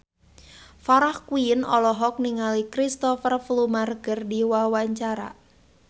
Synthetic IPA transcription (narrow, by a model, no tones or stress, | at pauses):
faɾahkwuinɔlɔɦɔk̚niŋalikɾist̪ɔfərflumarɡərdiwawaɲt͡ʃaɾa̰